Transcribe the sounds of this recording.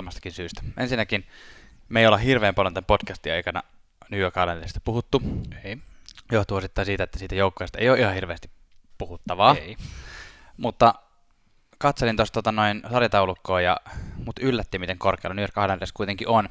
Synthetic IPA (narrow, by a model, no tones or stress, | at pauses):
mɑst̪ɑkinsyːst̪æ̥ʔensinːækin | meˑijolehirʋeːmpɑljont̪æmpotkæst̪iɑikɑnɑ̰ | nyøkɑːlɑnd̪erist̪æ̥puhut̪ːu | joht̪uosit̪ːɑˑinsiːt̪æet̪ːæsiːt̪æjoukːojest̪ɑḛijoːʔihɑhirʋeːst̪i̥ | puhut̪ːɑʋɑː | mut̪ːɑ | kɑt̪selint̪ost̪ot̪ɑnoinsɑrjɑt̪ɑulukːoːjɑ̰mut̪ylːæt̪ːiːmit̪eŋkorkḛilunyørkɑlɑnriskuijt̪eŋkiʔon